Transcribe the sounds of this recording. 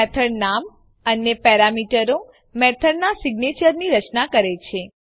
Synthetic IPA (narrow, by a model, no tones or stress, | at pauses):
ɛt̪ʰəɽnam | ənepɛɾamiʈəɾo | mɛt̪ʰəɽnasiɡnet͡ʃəɾniɾət͡ʃnakəɾet͡ʃʰe